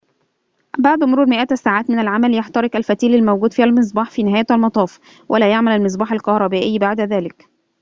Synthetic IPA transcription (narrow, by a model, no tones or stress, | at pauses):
baʕd̪mʊɾuːɾmɪʔæt̪æsaːʕaːt̪mɪnælʕamæljaħt̪ɑɾˤɪkʔælfæt̪iːlælmæwɡuːd̪fiːhælmɪs̬ˤbɑːħfiːnɪɦæːjælmɑt̪ˤɑːf | wʔælæːjaʕmælælmɪs̬ˤbɑːħalkɑhɾˤɑbæːʔɪjːbaʕd̪æðæːlɪk